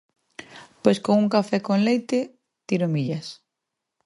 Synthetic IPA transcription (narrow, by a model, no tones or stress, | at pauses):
pojskoŋuŋkafɛkoŋlejt̪ɪ | t̪iɾʊmiʎɐs